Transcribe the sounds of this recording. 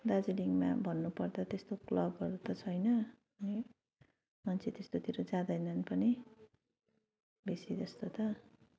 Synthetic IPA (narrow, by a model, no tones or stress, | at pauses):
d̪ad͡ziliŋma̰bʱʌnːupʌrd̪at̪est̪oklʌbʌɾut̪ʌt͡sʰʌjnʌ | ʌni | mʌnt͡sʰet̪est̪ot̪iɾod͡zãd̪ʌjnʌnpʌni | besid͡zʌst̪ot̪ʌ